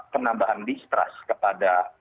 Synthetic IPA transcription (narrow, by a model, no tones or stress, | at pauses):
pənambaɦandist̪ɾa̰skəpada